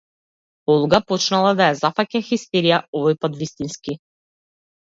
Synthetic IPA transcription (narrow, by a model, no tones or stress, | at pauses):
ɔlˠɡapɔt͡ʃnalˠad̪ajazafacɛxist̪ɛɾijaɔvɔjpat̪vist̪inski